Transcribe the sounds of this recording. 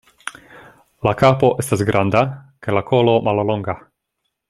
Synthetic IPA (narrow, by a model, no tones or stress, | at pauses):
lakapo̞ʔe̞stasɡɾʔand̪akajlakʰolo̞mallo̞ŋɡa